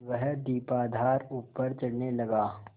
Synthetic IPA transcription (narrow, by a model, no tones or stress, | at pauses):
ʋɛɦd̪iːpaːd̪ʱaːɾuːpəɾt͡ʃɐɽnelɐɡaː